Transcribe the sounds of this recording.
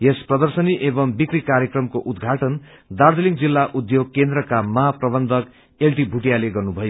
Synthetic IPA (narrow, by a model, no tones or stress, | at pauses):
jesprʌd̪ʌrsʌniʔebʌmbikrikaɾjekrʌmkoʔud̪ɡʱaʈʌn | d̪ard̪eliŋd͡zilːaʔud̪joɡ̚kend̪rʌkamʌɦaprʌbʌnd̪ʱʌk | elʈibʱuʈijaleɡʌrnubʱʌjo